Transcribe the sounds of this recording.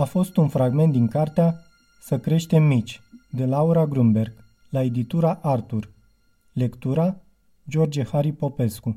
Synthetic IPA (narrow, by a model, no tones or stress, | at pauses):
afo̞st̪unfɾaɡme̞nt̪̚d̪iŋkart̪ea | səkɾe̞ʃt̪e̞mːit͡ʃʲd̪e̞lauɾaɡɾumbe̞rɡ | lae̞d̪it̪uɾaʔart̪ur | le̞kt̪uɾa | d͡ʒo̞rd͡ʒehaɾipo̞pe̞sku